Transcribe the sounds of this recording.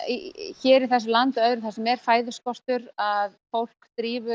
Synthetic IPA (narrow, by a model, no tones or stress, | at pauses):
çɛːɾɪθɛsʏlant̪œðɾʏɪθasɪmːɛːɾ̥faːjðʏskɔst̪ʏɾaðfowl̥kt̪ɾiːvʏ